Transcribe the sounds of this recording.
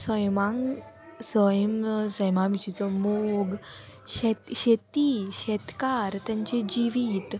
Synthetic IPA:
səjmaŋ | səjəmsəjmamit͡ɕit͡sɔmoɡ | ɕɛɕet̪iɕɛt̪kaɾt̪jãɲt͡ɕed͡ʑiʋiːt̪

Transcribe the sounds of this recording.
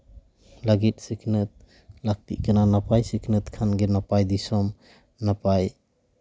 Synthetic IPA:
laɡit̚sikʰnɯt̚ | lak̚tḭkɯnanapajsikʰnɯt̚kʰanɡenapajdisɔm | napaj

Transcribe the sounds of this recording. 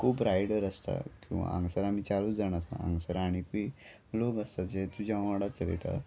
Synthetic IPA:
kʰuːpɾajɽəɾəst̪a̰kĩw̃ʋa̰ə̃ŋɡsəɾam̤iːt͡saluːd͡zaɽ̃asa̰ə̰̃ŋɡsəɾaɽ̃ipi | loɡəst̪ad͡ʑet̪ud͡ʑaʋaɽat͡sɾḛt̪a̰

